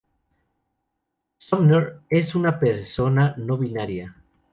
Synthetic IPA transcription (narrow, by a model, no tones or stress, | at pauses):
somnoɾesunapeɾsonanoβinaɾja